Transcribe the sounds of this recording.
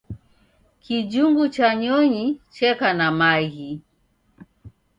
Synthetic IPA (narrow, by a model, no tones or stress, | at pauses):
kid͡ʒuŋɡut͡ʃaɲɔɲit͡ʃɛkanamaɣi